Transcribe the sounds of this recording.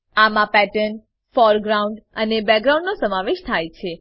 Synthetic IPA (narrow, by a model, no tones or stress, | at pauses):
amãpɛʈən | fɔɾɡɾaũɳɖənebɛɡɾawũɳɖnosəmaʋeʃt̪ʰajt͡ʃʰe